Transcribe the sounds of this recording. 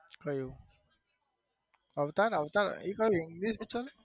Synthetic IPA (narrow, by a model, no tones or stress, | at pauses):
kəju | aʋt̪aɾaʋt̪aɾḭkəjuiŋɡliʃbit͡ʃəɾ